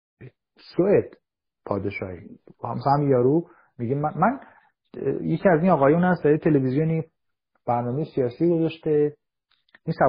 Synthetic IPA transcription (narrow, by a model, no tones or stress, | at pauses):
soed̪̥ | pʰɒːd̪eʃɒ̰ːhihæ̰msæmjɒːɾu | miɟemæmæn | jecʰiːæzinɒːɣɒːjuːnæsd̪æɾiet̪ʰelevizijoni | b̥æɾnɒːmejesijɒːsiːɡozɒʃt̪e | insæ